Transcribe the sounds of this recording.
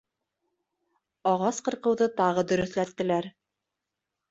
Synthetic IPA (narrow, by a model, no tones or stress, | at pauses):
ɑʁɑsqɤ̆ɾqɤ̆wðɤt̪ɑʁɤd̪ɵ̆ɾɵ̆θlæt̪ːɘ̆læɾ